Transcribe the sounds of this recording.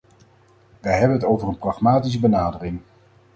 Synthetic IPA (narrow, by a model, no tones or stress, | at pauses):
ʋəjɦɛbənɦətowvərənprɑχmaːtis̬əbənaːdərɪŋ